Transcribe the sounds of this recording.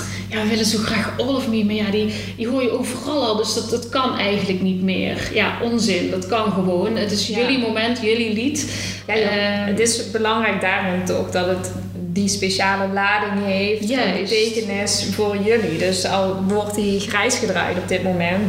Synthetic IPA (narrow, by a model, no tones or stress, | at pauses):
jaʋəʋɪlənzowxraːxolɔfmiməjadi | diɦoːrjəʔowvərɑlˠɑlˠdɵsdɑtətkɑnɛjɣəntləknitmɪ̰ːrjaʔɔnzɪndɑtkɑnɣəʋownətɪsjɵlimomɛntjɵlilit | jaətɪsbəlɑŋrɛjk̚daːrɔntɔ̰xdɑtət | dispeʃaːləlaːdɪnɦejfjœtejkənɪsvoːrjɵlidɵsɑlˠʋɔrtɦiːxrɛjsxədra̰ːjtɔb̚dɪtmomɛnt